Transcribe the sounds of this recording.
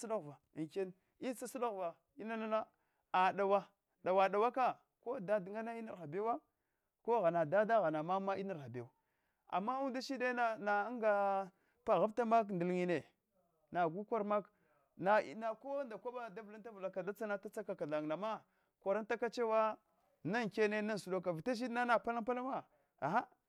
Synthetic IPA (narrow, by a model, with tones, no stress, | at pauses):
sla˦ɣva˨ŋ˨ke˦n | i˦t͡sa˦su˦la˦ɣva˨ | i˦na˦na˦na˦ | a˨da˨wa˦ | da˨wa˨da˨wa˦ka˦ | ko˦da˦di˨ŋa˦na˦i˦ni˨ɾxa˨be˦wa˦ | ko˦ɣa˨na˨da˦da˦ɣa˨na˨ma˦ma˦i˦na˨ɾxa˨be˦wa˨ | a̰˨mːa˦u˦da˦ʃi˦de˦na˦na˨˦ŋɡa˨ | pa˨ɣa˦ta˦ma˦kndi˨lŋi˨ne˨ | na˨ɡu˦ka˦ɾma˦k | na˨ḭ˦na˨ko˦nda˨kʷa˦ba˦da˦vla˦ta˦vla˨ka˨da˦t͡sa˦na˦ta˦t͡sa˦ka˨ka˨ɮa˨ŋ˨na˨ma˦ | kʷa˨ɾa˦n˦ta˦ka˦t͡ʃe˦wa˦ | na˦ŋke˦ne˦na˦nsu˨do˦k̬a˨vi˨ta˦ʃ̬i˦dna˦na˨pa˦la˦pa˦la˦ma˦ | a˨ɦa˦